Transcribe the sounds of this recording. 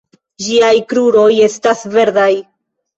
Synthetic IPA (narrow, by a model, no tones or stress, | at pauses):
d͡ʒiajkɾuɾo̞je̞stasve̞ɾdaj